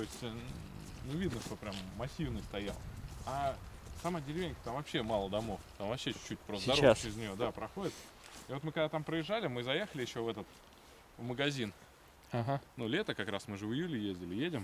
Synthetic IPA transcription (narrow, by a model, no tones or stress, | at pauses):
t̪o̞ɪsʲtʲ | nuvʲid̪nəʂt̪o̞pɾʲamːɐsʲːivnəst̪ɐja̰lˠɐsɐmadʲɪɾʲɪvʲenʲkə̥t̪amvɐpɕːe̞malˠəd̪ɐmo̞ft̪amvɐpɕːet͡ɕt͡ɕːut̚ʲpɾost̪d̪ɐt͡ɕɪɾʲɪzʲnʲɪjo̞d̪apɾɐxo̞dʲɪt̪ | ɪvo̞t̪mɨkɐɡd̪at̪ampɾəjɪʐːalʲɪmɨzɐje̞xəlʲɪjɪɕːo̞vɛt̪ət̪ | vməɡɐzʲin | aɦanulʲe̞t̪əkɐkɾasmɨʐɨvɨjulʲɪjezʲdʲɪlʲɪjedʲɪm